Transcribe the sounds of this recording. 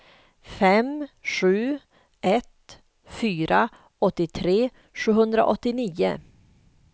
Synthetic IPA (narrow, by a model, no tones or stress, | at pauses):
fɛmɧʉ̟ː | ʔɛt̪ | fyːɾa | ɔt̪ːɪt̪ʰɾeː | ʂʉ̟ːɦɵnd̪ɾa̰ʔɔt̪ːɪniːʊ̰